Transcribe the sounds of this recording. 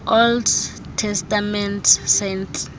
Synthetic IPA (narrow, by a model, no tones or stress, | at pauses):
ʔold | tʰɛstamɛntʰsentʰ